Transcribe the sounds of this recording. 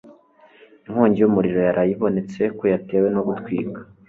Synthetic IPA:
iŋhoːɲɟijumuɾiɾo̞jaɾajiβo̞ne̞t͡se̞kojate̞we̞no̞ɡutkwiːɡa

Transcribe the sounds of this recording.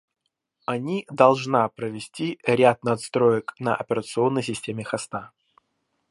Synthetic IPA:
ɐnʲid̪ɐlˠʐnapɾəvʲɪsʲtʲiɾʲat̪̚nɐt̪st̪ɾojəknə̰ʔɐ̰pʲɪɾət̪sɨo̞nːəjs̬ʲɪsʲtʲemʲɪxɐst̪a

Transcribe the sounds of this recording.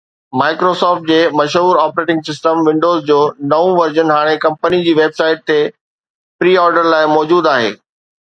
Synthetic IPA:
maːɪkɾosɔːfʈ̚d͡ʑeːmɐʃɦuːɾaːpɾeːʈɪ̃ŋɡsɪsʈəmʋɪ̃ɳɖoːzd͡ʑoːnɐũʋɐɾd͡ʑənɦaːɽ̃ekɐ̃mpənid͡ʑiːʋeːbsaːɪʈ̚t̪e | pɾiːɔːɾɖəɾlaːɪmɔːd͡ʑuːd̪aːɦḛː

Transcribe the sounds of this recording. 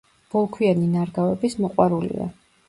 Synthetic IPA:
b̥ɔlˠkʰwianinaɾɡavɛbismɔqʼwaɾulḭa̰

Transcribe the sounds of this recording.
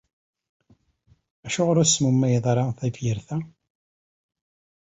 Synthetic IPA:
æʃʊʁɾʊsmumːæjəðˤɾˤɑθæfjəɾθæ

